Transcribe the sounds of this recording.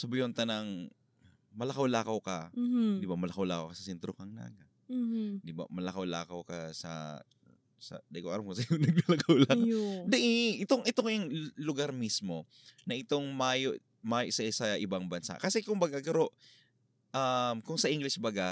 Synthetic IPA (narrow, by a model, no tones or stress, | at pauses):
sɐbɪjont̪ɐnɐŋ | mɐlɐkawlaːkɐwkɐd̪ɪbamɐlɐkawlaːkɐwkɐsɐsɛnt̪ɾokɐŋna̰ːɡa | d̪ɪba̰mɐlɐkawla̰ːkɐwkɐsɐ̰ | sɐ̰d̪ɐjkoʔaɾamkosɐkonɐɡ̚lɐlɐkʰawlad̪ɛʔɪʔɪt̪oŋʔɪt̪oŋɐjɐŋlʊɡaɾmismo̞ | nɐʔɪt̪o̞ŋmaːjoʔ | maːjoʔsɐsɐʔɪbaŋbɐnsa̰ʔkɐsɛkʊŋbaɡaɡɐɾo̞ʔ | ʔamkʊŋsɐʔiŋɡlɪsbaɡa